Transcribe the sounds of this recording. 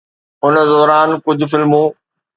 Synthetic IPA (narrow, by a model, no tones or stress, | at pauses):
ʊnə̆zɔːɾaːnkʊd͡ʑʱʊ̆fɪlmũː